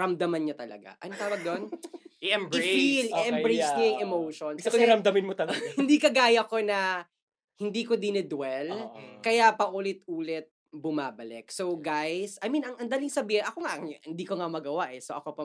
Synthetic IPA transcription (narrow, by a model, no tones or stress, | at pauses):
ɹɐmd̪ɐmɐnɲɐt̪ɐlɐ̰ɡa̰ʔɐ̰not̪aːwɐɡ̚d̪onɛbɪfilʔɛmbɾejsɐjɐŋɛmowʃonskɐɾɐmd̪ɐmɪnmot̪ɐlɐɡhɪnd̪iːkɐɡaːjɐko̞nɐ | hɪnd̪iːkod̪ɪnɪd̪wɛlkɐjapɐʔulɪt̪̚uːlɛt̪̚ | bʊmaːbɐlɛk̚so̞wɡajsɐjmĩnɐŋʔɐnd̪aːlɪŋsɐbiːhɪnʔɐkoŋaʔhɪnd̪iːkoŋamɐɡɐwaʔɛsoʔɐ̰kopɐ